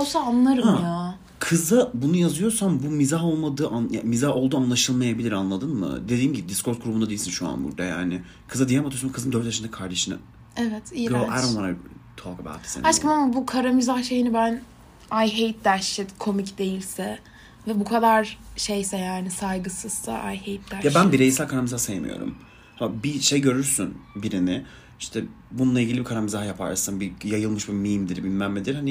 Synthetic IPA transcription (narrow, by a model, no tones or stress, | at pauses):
osaːnlˠaɾɯmja | kʰɯzɯbunujazɯjo̞ɾsambumizaɦo̞lˠmad̪ɯːʔanja̰mizaho̞lˠd̪uːanlˠaʃɯlˠmajabilʲiɾanlˠad̪ɯnmɯ̰d̪e̞d̪iːnɟibid̪iskʰoɾt̪̚ɡʰuɾubunad̪eilʲsinʃua̰nbṵɾd̪a̰ja̰ːnɪ̰ | kʰɯzad̪ijamat̪ʰyjskʰɯzɯnd̪ø̞ɾt̪jaʃɯnd̪akʰaɾd̪eʃɯnɯ̰ | ɛvɛt̪iohɛ̰ɾavaɾat̪ʰokabɛ̰a̰t̪ʰːi̥sḭnat͡ʃkamamabukʰaɾamizahʃejinibæn | ajɦejt̪̚d̪æɾʃɛt̪kʰo̞micd̪e̞jilʲsɛ | vɛbukʰad̪aɾʃejsɛjaːnisajɡɯsɯz̥sa̰ʔajhejt̪̚d̪æɾjaʃbænbiɾejisælkʰaɾamizahsajemḭjo̰ɾṵm | hamabiʃejɟø̞ɾyɾsynbiɾinɪ | iʃt̪ʰɛ | bununˠailʲɟilʲibikʰaɾamizaɦjapʰa̰ɾsanbijajɯlˠmɯʃbimimd̪iɾbilʲmæmmʲed̪iɾhani